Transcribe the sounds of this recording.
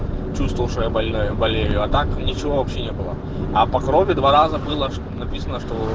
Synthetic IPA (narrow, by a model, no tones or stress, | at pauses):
t͡ɕust̪vəlˠʂəjəbɐlʲnojʊbɐlʲejʊɐt̪aknʲɪt͡ɕɪvovɐpɕenʲebɨlˠə̰ | ɐpɐkɾovʲɪd̪vaɾazəbɨlˠəʂ | nɐpʲisənəʂt̪o